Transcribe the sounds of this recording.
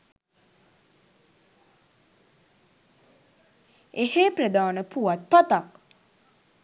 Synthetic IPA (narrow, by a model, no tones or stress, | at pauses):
eheːpɾəd̪aːnəpuʋat̪̚pat̪ak